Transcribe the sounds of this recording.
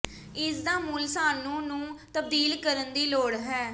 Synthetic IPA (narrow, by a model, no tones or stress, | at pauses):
ɪsd̪aːmuːlsaːnũːnũːt̪əb̚d̪iːlkəɾənd̪iːloːɽɦɛː